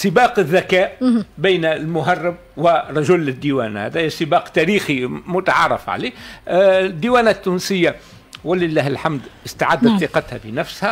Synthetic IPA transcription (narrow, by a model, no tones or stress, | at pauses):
sɪbɑːqɪðːækæːʔbijnlmʊɦɑrˤːɪb̚wɪɾˤɑʒʊlːɪd̪ːiwæːnahæ̰d̪æːjsɪbɑːqt̪æɾiːximʊt̪aʕɑrˤɑ̰fʕa̰leː | d̪ːiwæːnat̪ːuːnsɪjːa | wɪlɪlːæːhɪlħamd̪ʔɪst̪aʕad̪ːat̪θiqɑt̪hæfinæfshæ